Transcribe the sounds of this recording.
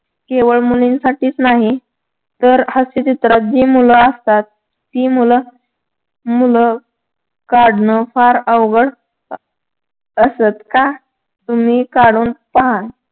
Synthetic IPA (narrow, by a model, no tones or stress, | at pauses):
keʋəɭmulinsaʈiːt͡snaɦi | t̪əɾhəset̪it̪ɾat̪̚d͡ʑiːmuləəst̪at̪̚ː | iːmulə | mulə | kaɽnəfaɾəʋɡəɽ | əsət̪ka | t̪um̤iːkaɽuːnpəɦa